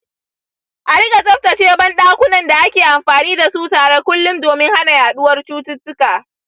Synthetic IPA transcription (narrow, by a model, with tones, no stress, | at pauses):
ʔa˨ɽɪ˦ɡa˨sʼɐ˦ɸtɐ˨t͡ʃeː˦bɐ˦nɗaː˦kʷʊ˦nɐ˨nda˨ʔa˦kʲeː˨ʔa˨mɸaː˨niː˦da˨suː˦taː˨ɽeː˦kʷʊ˦lːʊ˦mdoː˨mɪ˦ŋha˦na˨jaː˨ɗʊ˦wɐ˦rt͡ʃuː˦tʊ˦tːʊ˦kaː˨